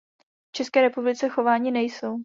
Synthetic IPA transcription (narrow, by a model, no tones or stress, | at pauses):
ft͡ʃɛskɛːɾɛpublɪt͡sɛxo̞vaːɲɪnɛjso̞w